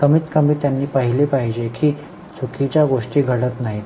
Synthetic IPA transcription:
kəmiːt̪kəmiːt̪janːiːpəɦilipaɦid͡ʑekiː | t͡sʰukʰit͡ɕjaɡoʂʈiːɡʱəɽət̪naɦi

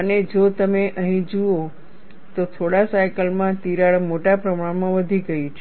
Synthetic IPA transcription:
əned͡ʒot̪əmeʔəɦĩd͡ʒuo | t̪ot̪ʰoɽasajkəlmãt̪iɾaɭmoʈapɾəmaɽmãʋəd̪ʱiɡəit͡ʃʰe

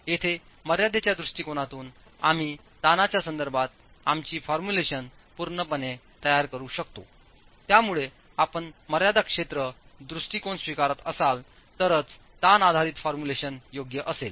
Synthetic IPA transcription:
jet̪ʰe | məɾjad̪ʱet͡ɕjad̪ɾuʂʈikonat̪uːn | a̰m̤iː | t̪anat͡ɕjasənd̪əɾbʱat̪̚ | amt͡ɕiːfɔɾmuleɕən | puɾɳəpəne | t̪əjaɾkəɾuɕəkt̪o̰ | t̪jamuɭe | apəɳməɾjad̪akʂet̪ɾəd̪ɾuʂʈikonsʋikaɾət̪əsal | t̪əɾət͡s | t̪anad̪ʱaɾiːt̪fɔɾmuleɕənjoɡjəʔəsel

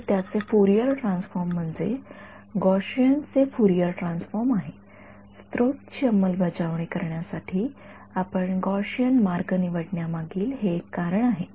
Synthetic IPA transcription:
t̪jat͡sefuɾijəɾʈɾãnsfɔɾm̤ːəɳd͡zḛ | ɡɔɕjənt͡sefuɾijəɾʈɾansfɔɾmaɦe | st̪ɾot̪t͡ɕəmːəlbʱəd͡zaʋɳikəɾɳjasaʈʰiː | apəɳɡɔɕjənmaɾɡəniʋəɽɳjamaɡiːlɦekːaɾəɳaɦe

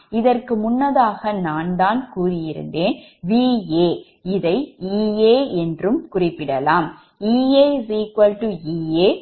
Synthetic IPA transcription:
ɪðɐrkɯmʊnːɐðaːɣɐnaːnd̪aːnkuːrɪjɪɾɯ̰nd̪eːnʋiːeː | ɪðɐɪiːeːɛndrɯmkʊrɪpːɪɽɐlaːm | iːeːʋiːkʊɐlʈuiːeː

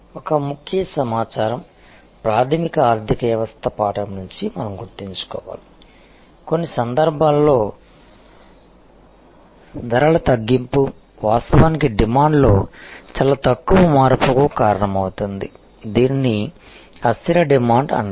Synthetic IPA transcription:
ɔkɐmukʰjɐsɐmaːt͡ʃaːɾɐm | pɾaːd̪ʰʱimikɐaːɾd̪ʱikɐʋjɐʋɐst̪ʰɐpaːʈɐmnuɲt͡ʃimɐnɐmɡuɾt̪iɲt͡ʃu̥kɔ̰ːʋa̰ːli | ko̞nːisɐnd̪ɐɾbʱaːlːo̞ː | d̪ʱɐɾɐɭɐt̪ɐɡːimpu | ʋaːst̪ɐʋaːnikiɖimaːɳɖlo̞ːt͡ʃɐlaːt̪ɐkːuʋɐmaːɾpukukaːɾɐɳɐmɐwut̪und̪i | d̪iːnːi | ɐst̪inɐɖimaːɳɖɐ̰ɳ

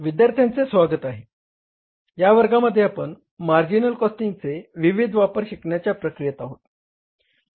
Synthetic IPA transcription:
ʋid̪jaɾt̪ʰjant͡sesʋaɡət̪aɦe | jaʋəɾɡaməd̪ʱːjeapəɳ | maɾd͡ʑinəlkɔsʈiŋɡt͡seʋiʋid̪ʱʋapəɾɕikɳjat͡ɕjapɾəkɾijət̪aɦot̪

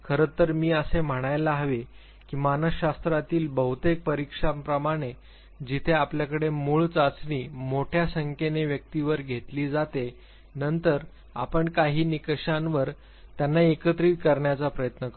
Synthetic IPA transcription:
kʰəɾət̪ːəɾmiːəsem̤əɽ̃ajlaɦʋe | kiːmanəɕast̪ɾat̪iːlbəɦut̪ek̚pəɾikʂapɾəmaɽ̃e | d͡ʑit̪ʰeapljakəɽemuːɭt͡sat͡sniːmoʈʰjasəŋkʰeneʋjək̚t̪iʋəɾɡʱet̪liːd͡zat̪e | nənt̪əɾ | a̰pəɳkaɦiːnikɕãnʋəɾ | t̪janːaekət̪ɾiːt̪̚kəɾɳjat͡sapɾəjət̪nə

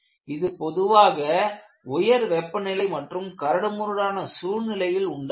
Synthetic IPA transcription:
ɪðɯpɔðɯʋaːɣɐ | ʊjɐɾʋɛpːɐnɪlɐɪmɐʈrɯmkɐɾɐɽɯmʊɾɯɽaːnɐsuːnɪlɐjɪlʊɳɖ

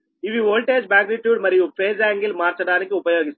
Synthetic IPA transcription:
iʋiʋoːlʈeːd͡ʒbæ̃ːɡɾiʈjuːɖmɐɾijufʰeːzɛ̃ːŋɡɪlmaːɾt͡ʃɐɖaːnekeʊpɐjoːɡis

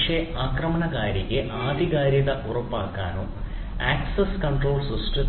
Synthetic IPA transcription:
ʂeaːkrɐmɐɳɐɡaːɾɐkʲːeʔaːd̪ʱiɣaːɾjɐðɐʔurɐpːaːkːa̰ːnoː | aːksɐskɐɳʈroːlsusʈɨ

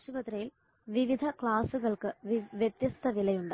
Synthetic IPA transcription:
ʂubɐt̪ɾɐjil | ʋiʋid̪ʱɐkɭaːsuɣɐɭkɨʋjet̪jɐst̪ʰɐʋilɐjuɳɖ

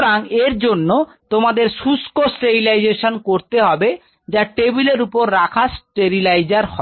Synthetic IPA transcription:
ɾaŋeɾd͡ʑonːot̪omad̪eɾʃuskosʈeɾilajd͡ʑeʃonkoɾt̪eɦɔbe | d͡ʑaʈebileɾupoɾːakʰasʈeɾilajd͡ʑaɾɦɔ

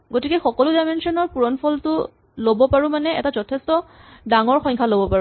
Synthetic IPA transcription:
ɡotikɛxɔkɔlʊdajmensiɔnɔɹpuɹɔnpʰɔltʊ | lobɔpaɹumanɛɛ̰tazɔtʰɛstɔdaŋɔɹxɔjŋkʰalobɔpaɹu

